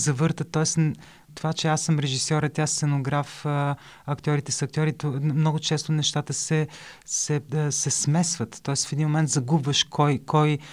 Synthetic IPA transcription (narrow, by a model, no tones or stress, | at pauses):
zɐvɤɾt̪ət̪ːɔɛst̪ | t̪ovat͡ʃɛasːɤmɾɛʒisjɔɾət̪jassɛnoɡɾafə | ɐkt̪ʲɔɾit̪ɛsɐk̚t̪ʲjɔɾit̪mnɔɡʊt͡ʃɛst̪onɛʃt̪at̪əsɛsɛsɛsmɛsvət̪ːɔɛst̪fɛd̪inmomɛnt̪zɐɡubvəʃkʰɔjkʰɔj